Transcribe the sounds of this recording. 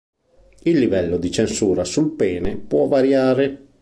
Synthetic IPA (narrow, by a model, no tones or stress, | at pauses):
ilːivɛlːod̪it͡ʃensuːɾasulpɛːnepwɔvːaɾjaːɾe